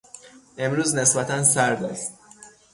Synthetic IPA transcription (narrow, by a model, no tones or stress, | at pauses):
ʔe̞mɾuːzne̞sbæt̪ʰænsæɾd̪æst̪̚